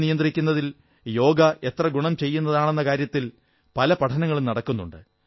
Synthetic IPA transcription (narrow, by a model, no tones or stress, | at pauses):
nijɐnd̪rikʲːunːɐðil | jo̞ːɡɐe̞t̪rɐɡuɳɐmt͡ɕe̞jːunːɐðaːɳe̞nːɐkaːɾjɐt̪ːil | pɐlɐpɐʈʰɐnɐŋːɐɭumnɐɽɐkːunːṵɳɖɨ̰